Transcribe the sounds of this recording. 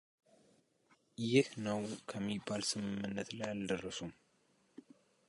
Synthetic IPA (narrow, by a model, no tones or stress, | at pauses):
jɪhnəwkʰəmːibːalsɨmɨmːɨnːət̪lajald̪ərːəsum